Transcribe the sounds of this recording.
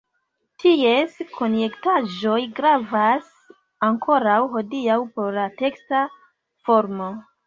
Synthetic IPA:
tʰie̞skʰo̞nje̞ktaʒo̞jɡɾavas | aŋkʰo̞ɾawɦo̞diawpo̞ɾlate̞ksta | fo̞ɾmo̞

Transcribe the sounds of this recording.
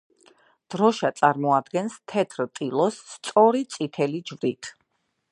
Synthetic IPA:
d̪̥ɾɔʃat̪sʼaɾmɔad̪ɡɛnst̪ʰɛt̪ʰɾt̪ʼilˠɔsːt̪sʼɔɾit̪sʼit̪ʰɛlid͡ʒvɾit̪ʰ

